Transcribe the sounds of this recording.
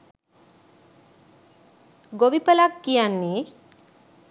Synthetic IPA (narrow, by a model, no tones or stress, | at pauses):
ɡoʋipəlakːijanːe